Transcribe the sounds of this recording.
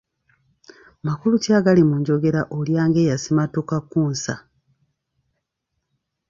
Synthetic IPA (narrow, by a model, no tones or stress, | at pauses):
makulutjaːɡalimuɲɟo̞ɡe̞ɾaʔoljaːŋɡe̞ːjasimatukakːuːnsa̰